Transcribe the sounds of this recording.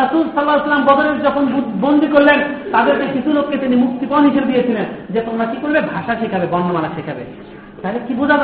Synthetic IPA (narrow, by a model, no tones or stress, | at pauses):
ɐsulsɐlːaslːambɔd̪oɾeɾd͡ʑɔkʰonbond̪ikoɾlent̪ad̪eɾkekit͡ɕʰulokːet̪inimuk̚t̪ipɔnɦiʃebed̪ijet͡ɕʰilend͡ʑet̪omɾakikoɾbebʱaʃaʃekʰabebɔnːomaɾaʃekʰabḛ | t̪aɦilekibud͡ʑʱa